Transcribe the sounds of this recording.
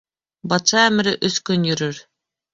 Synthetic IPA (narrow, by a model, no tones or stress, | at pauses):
bɑt̪ʃɑæmɘ̆ɾɘʔɵθkɵnjɵ̆ɾɵɾ